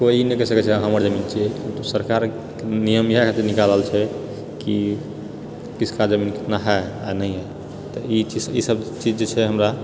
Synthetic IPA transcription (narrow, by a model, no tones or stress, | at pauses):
koinekesəkɛt͡ʃʰɛɦəməɾd͡ʒəmint͡ʃʰikit̪osəɾkaɾ | kenijəmjɛkat̪enikalɦəlt͡ʃʰɛ | ki | kisʰkad͡ʒəminke̥t̪naɦɛa̰nəiɦɛ | t̪ɔit͡ʃisisəbt͡ʃid͡ʒd͡ʒet͡ʃʰɛɦəmɾa